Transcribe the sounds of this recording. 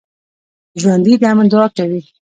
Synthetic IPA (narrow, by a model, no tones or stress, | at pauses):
ʒwand̪id̪amand̪ɔːk̚ʈawi